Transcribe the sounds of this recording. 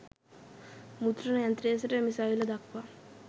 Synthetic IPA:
mut̪ɾɐnɐjant̪ɾeːsɐʈemisaːjilɐd̪akʰʋa

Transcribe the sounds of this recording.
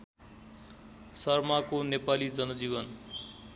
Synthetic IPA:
sʌrmakonepalid͡zʌnʌd͡ziβʌn

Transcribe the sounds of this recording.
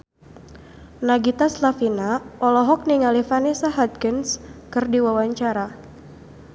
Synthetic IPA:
naɡit̪aslafinaɔlɔɦɔk̚niŋalifanesaɦat̪̚kənskɨrdiwawaɲt͡ʃaɾa

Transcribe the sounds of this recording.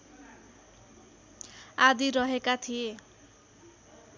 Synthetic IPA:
ad̪iɾʌɦekat̪ʰije

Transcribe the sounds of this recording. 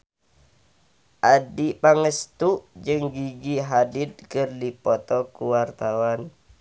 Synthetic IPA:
ʔadipaŋəst̪uʔd͡ʒɨŋɡiɡiɦadid̪̚kərdipɔt̪ɔkuwart̪awan

